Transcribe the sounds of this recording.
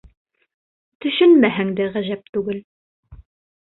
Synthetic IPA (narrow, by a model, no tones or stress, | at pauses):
t̪ɵ̆ʃɵnmæɦæŋd̪æʁæʑæp̚t̪ʉɡɘl